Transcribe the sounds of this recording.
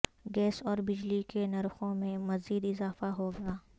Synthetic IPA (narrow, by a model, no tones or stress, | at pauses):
ɡɛːsɔːɾbɪd͡ʒlikenɐɾxõmẽmɐziːd̪ɪzaːfaɦoɡɐaː